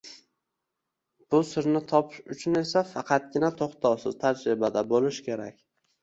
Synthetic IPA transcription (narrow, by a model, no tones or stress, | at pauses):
b̥ʊsɪɾnɪt̪ʰɒpʰɪʃʊt͡ʃʰʊne̞safɑqʰɑt̪̚ɡʲɪnat̪ʰoχt̪ʰɑwsɪz̥t̪ʰad͡ʒɾɪbad̪abolɪʃkʲʰe̞ɾa̰kʲ